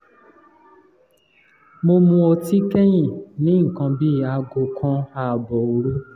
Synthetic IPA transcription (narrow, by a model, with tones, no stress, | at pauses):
mo˧mũ˧o˧ti˦kɛ˦j̃ĩ˦˨nĩ˨˦ŋ̩˨kã˧bi˦˨a˧ɡo˨kʰã˧a˦˨bɔ˨o˨ɾu˦